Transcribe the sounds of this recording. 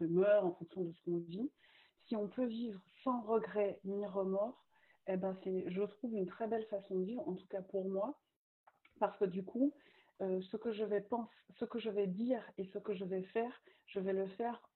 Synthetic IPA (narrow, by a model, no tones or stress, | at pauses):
əmœʁɑ̃fɔ̃ksjɔ̃d̪əsə̥kɔ̃vi | siɔ̃pʰøvivʁsɑ̃ʁəɡʁɛniʁəmɔʁ | ebɛ̃sɛʒət̪χuvynt̪χɛbɛlfasɔ̃d̪əvivʁɑ̃t̪u̥kapuʁmwa | paʁsə̥kəd̪ykʰu | øsəkəʒəvɛpɑ̃sːəkəʒəvɛd̪iʁesəkəʒəvɛfɛːʁʒ̥əvɛləfɛʁ